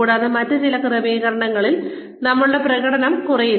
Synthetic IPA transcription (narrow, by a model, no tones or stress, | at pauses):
uːɽaːðɨmɐtːɨt͡ɕilɐkrɨʋiːɣɐɾɐɳɐŋːɐɭil | nɐmːɐɭuɽeprɐɣɐɽɐnɐmkurɐji